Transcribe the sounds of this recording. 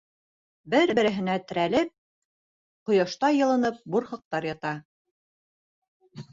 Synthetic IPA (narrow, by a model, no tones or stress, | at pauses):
bɘɾbɘ̆ɾɘ̆ɦɘ̆næt̪ɘ̆ɾælɘp̚ | qŏjɑʃt̪ɑjɤ̆lˠɤ̆nɤp̚buɾχɤ̆q̚t̪ɑɾjɑt̪ɑ